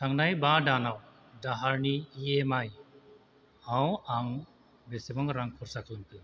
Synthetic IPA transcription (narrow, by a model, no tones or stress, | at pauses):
taŋnajbadanaw | daɦaɾniːemaj | awaŋ | besebɔŋɾaŋkʰuɾsakʰlunt̪ɯ